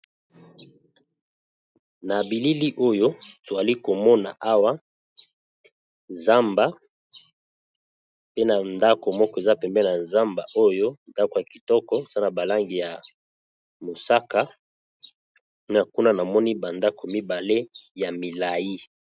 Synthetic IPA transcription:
na˨bi˨li˦li˦ʔo˦jo˦to˨za˨li˦ko˨mɔ˦na˨ʔa˦wa˦ | nza˦mba˨˦ | pe˦na˨nda˦ko˨mɔ˦kɔ˦e˨za˦pɛ˨mbɛ˦na˨nza˦mba˨ʔo˦jo˦nda˦ko˨ja˨ki˨tɔ˦kɔ˦sa˦na˨ba˨la˦ŋɡi˨ja˨ | mo˨sa˦ka˦ | a˨ku˦na˦na˨mɔ˦ni˦ba˨nda˦ko˨mi˦ba˨le˦ja˨mi˨la˨ji˦

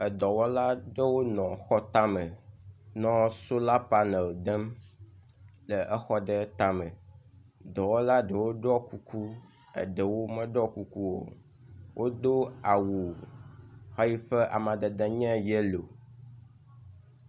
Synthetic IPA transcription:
ə˨d̪ɔ˨wɔ˦la˦ɖə˦wo˦nɔ̃˨xɔ˦t̪a˦mə̃˨nɔ̃˦so˦la˦pa˦nɛ˨ld̪ɛ˦m | lə˨ʔɛ˦xɔ˦ɖə˦t̪a˦mə̰̃˨ | d̪ɔ˨wɔ˦la˦ɖə˨wo˦ɖɔ˦ku˨kʰu˦ | ə̰˨ɖə˨wo˦mə̃˦ɖɔ˦ku˨ku˦wo̰˨ | wʔo˦d̪o˦a˨wu˨ | xa˦ji˦ɸə˦ʔa˨mã˨d̪ə˨d̪ɛ˦ɲɛ̃˦jɛ˦lo˨

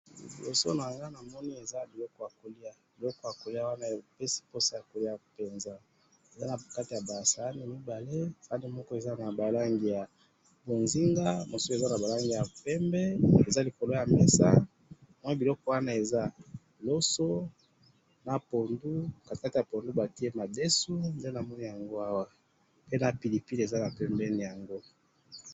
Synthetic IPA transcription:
lo̰˨so̰˦na˨ɡa˦na˨mɔ˦ni˦e˨za˦bi˨lɔ˦kɔ˦ja˨ko˨li˦a˨b̥i˨lɔ˦kɔ˦ja˨ko˨li˦a˦wa˦na˦˨pɛ˦si̥˦po˦sa˦ja˨ko˨li˦a˨pɛ˨nza˦ | e˨za˦na˨ka˦ti˨ja˨ba˨sa˨a˦ni˨mi˦ba˨le˦pa˦ne˦mɔ˦kɔ˦e˨za˦na˨ba˨la˦ŋɡi˨ja˨ | bo˨nzi˦ŋɡa˦mo˨se˨za˦na˨ba˨la˦ŋɡi˨ja˨pɛ˦mbɛ˦e˨za˦li˨ko˨lo˦ja˨mɛ˨sa̰˦ | mwa˦bi˨lɔ˦kɔ˦wa˦na˦e˨za˦ | lo˦so˦ | na˨po˨ndu˦ka˨ka˦ti˨ja˨po˨ndu˦ba˨ti˦e˦ma˨de˦su˦nde˦na˨mɔ˦ni˦ja˨ŋɡo˦a˦wa˦ | pe˦na˨pi˨li˨pi˦le˨za˦na˨pɛ˦mbɛ˦ni˨ja˨ŋɡo˦

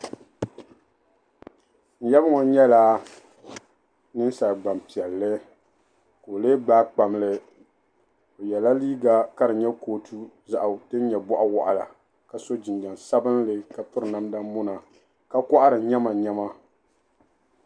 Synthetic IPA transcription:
n̩˨jɛ˦bɨ˦ŋɔ˨ɲɛ˦la˦ | nɨ˦n˦sa˨lɡ͡ba˨m˨pi˨ɛ˨lːɨ˦ | ko˨le˦ɡ͡baː˦k͡pa˨mlɨ˦ | o˨jɛ˨la˦liː˦ɡa˨ka˦ɾɨ˨ɲɛ˦koː˦tʰu˦za˨ʔa˨tɨ˦n˦ɲɛ˨bɔ˦ʔa˦wɔ˨ʔa˨la̰˨ | ka˨so˦d͡ʒɪ˨nd͡ʒa˨nsa˦bɨ˦nlɨ˨ka˨pɨ˦ɾɨ˨na˦mda˦mʊ˦na˨ | ka˦kɔ˦ʔa˦ɾɨ˨ɲɛ˦ma˨ɲɛ˦ma˦

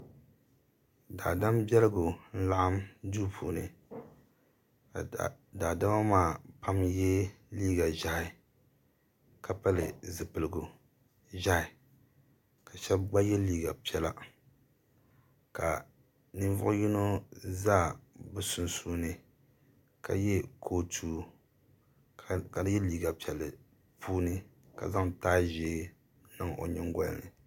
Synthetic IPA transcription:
da̰˨da˦mbɛ˦lɨ˦ɡo˨n̩˦la˦ʔa˦mduː˦pʰṵː˨nɨ̰˨ | da˨da˦ma˦maː˦˨pa˦mjɛ˦liː˦ɡa˨ʒa˦hɪ˨ | ka˨pa˦lɨ̰˨zɨ˨pɨ˨lɨ˨ɡo˨ | ʒa˦ɪ˨ | ka˨ʃɛ˦bɡ͡ba˦jɛ˦liː˦ɡa̰˨pi˨˦ɛ˦la˦ | ka̰˨ | nɨ˦ɱvʊ̰˦ʔʊ˦ji˦no˦zaː˦˨bɨ˨sʊ˨nsuː˦nɨ˦ | ka̰˨jɛ˦kʰoː˦tʰuː˦ | ka˨˦jɛ˦liː˦ɡa˨pi˨ɛ˨lɨ˨ | pʰuː˦nɨ˦ | ka̰˨za˦ŋtaː˦ʒeː˨˦ | nɨ˦ŋo̰˨ɲɪ˦ŋɡa˦l̰nɨ̰˨

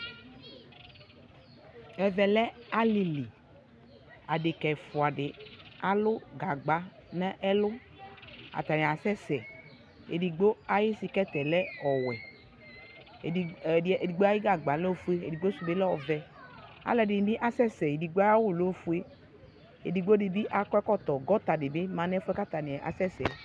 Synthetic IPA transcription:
ɛ˨vɛ˨lɛ˦a˦li˨li˨ | a˨ɖɪ˨kɛ˨fʊ˨a˨ɖɪ˨a˨lʊ˦ɡa˨ɡ͡ba˦nɛ˦ʔɛ˦lʊ˦ | a̰˨t̪a˨nɛ̃˨a˨sɛ˦sɛ˨ | ḛ˨ɖi˨ɡ͡bo˦a˦jɪ˦si˨kɛ˦t̪ɛ˨lɛ˦ɔ˨wɛ˨ | di˨ɡ͡bo˦a˦ɪ˦ɡa˨ɡ͡ba˨˦lɛ˦o˦˨fu˦e˦e˨di˨ɡ͡bo˦su˨be˦lɛ˦ɔ˨vɛ˨a̰˨˦lɛ˨dɪ˨n˨bi˦ʔa˦sɛ˦sɛ˨e˨di˨ɡ͡bo˦a˦ja˦wʊ˦lo˦fu˦e˦ | ḛ˨di˨ɡ͡bo˦dɪ˨bi˦ʔa˨kɔ˦ɛ˦kɔ˦t̪ɔ˨ɡɔ˦t̪a˨dɪ˨be˦mã˨nɛ˦fɛ˦ka˦t̪a˨nĩ˨ɛ˨ʔa̰˨sɛ˦sɛ̰˨

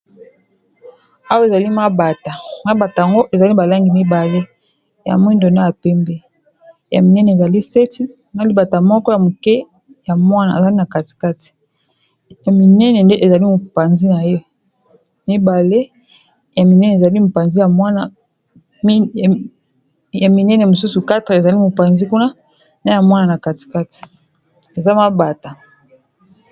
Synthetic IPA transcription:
a˦wa˦˨e˨za˨li˦ma˦ba˨ta˨ma˦ba˨ta˨a˨ŋɡo˦ʔe˨za˨li˦ba˨la˦ŋɡi˨mi˦ba˨le˦ | ja̰˨m˦i˦ndo˨na˦ja˨pɛ˦mbɛ˦ | ja̰˨mi˨nɛ˦nɛ˨za˨li˦se˦tʰi˦ | ma˦li˦ba˨ta˨mɔ˦kɔ˦ja˨mu˨kɛ˦ | ja˨mwa˦na˨e˨za˨li˦na˨ka˨ti̥˨ka˦ti̥˨ | ja˨mi˨nɛ˦nɛ˨nde˦ʔe˨za˨li˦mu˨pa˨nzi˦na˨je˦ | ni˦ba˨le˦ | ja˨mi˨nɛ˦n˨e˨za˨li˦mo˨pa˨nzi˦ja˨mwa˦na˦˨ | ja˨mi˨nɛ˦nɛ˨mo˨su˦su˨ka˦te˨e˨za˨li˦mo˨pa˨nzi˦ku˦na˦ | na˦ja˨mwa˦na˨na˨ka˨ti̥˨ka˦ti̥˨ | e˨za˦ma˦ba˨ta˨

